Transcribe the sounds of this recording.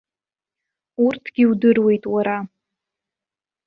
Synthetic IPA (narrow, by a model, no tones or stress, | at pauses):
urtʰɡ̥ʲiudɨrwe̞jtʼwaɾa